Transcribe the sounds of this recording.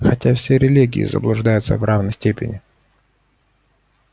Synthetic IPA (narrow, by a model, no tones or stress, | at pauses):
xɐtʲafsʲeɾʲɪlʲiɡʲɪ̰ɪ̰zə̰blˠʊʐd̪ajʊt̪sə̰vravnəsʲtʲepʲɪ̰nʲɪ